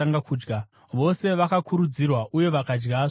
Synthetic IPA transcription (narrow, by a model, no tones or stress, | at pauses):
aŋɡakuːd͡ʒɡa | ʋo̞se̞ʋakakʰuɾud͡zirwaʔuje̞ʋakad͡ʒɡa